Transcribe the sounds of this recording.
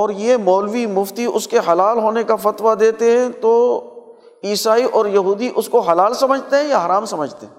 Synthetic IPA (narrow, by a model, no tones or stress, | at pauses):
ɔːɾjemɔːlʋimʊft̪iʊskeɦɐlaːlɦoːnekafɐt̪ʋad̪eːt̪eɦɛ̃t̪o | iːsaːiʔɔːɾjɐɦuːd̪iʔʊskoɦɐlaːlsɐməd͡ʒʱt̪eɦɛ̃jaɦɐɾaːmsɐməd͡ʒʱt̪eɦɛ̃